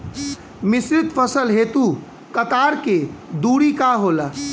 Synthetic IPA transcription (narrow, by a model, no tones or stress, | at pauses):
misɾit̪pʰəsəlɦet̪u | kət̪aɾked̪uɽikaɦola